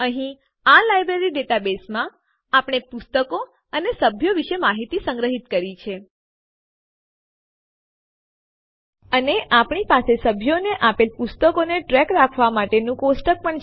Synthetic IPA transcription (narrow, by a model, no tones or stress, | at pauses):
əɦĩ | alajbɾeɾid̪et̪abesmã | apɳ̃epʊst̪əko | ənesəbʱjoʋiʃemaɦit̪isə̃ŋɡɾəɦit̪kəɾit͡ʃʰe | əneʔapɳ̃ipasesəbʱjoneʔapelpust̪əkoneʈɾɛkɾakʰʋamaʈenũkosʈək̚pəɳ